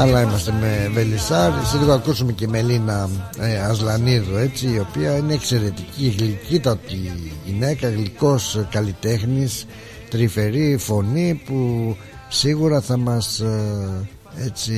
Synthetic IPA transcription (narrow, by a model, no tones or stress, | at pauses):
ɐlɐimɐst̪e̞me̞ve̞lisɐɾsiðɣoɐkusume̞ce̞me̞linɐeɐzlɐniðue̞t͡siːo̞piɐineːkse̞ɾe̞t̪icieɣlicit̪ɐt̪iʝine̞kɐɣliko̞skɐlit̪e̞xnis | t̪ɾife̞ɾifo̞nipu | siɣuɾɐθɐmɐs | e̞t͡si